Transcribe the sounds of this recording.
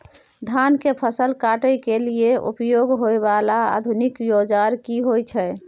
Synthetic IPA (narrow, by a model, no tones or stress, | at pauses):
d̪ʱankepʰəsəlkaʈəjkelieʔṵpjoɡɦoebalaa̰d̪ʱunikjod͡ʒaɾkiɦojt͡ʃʰɛ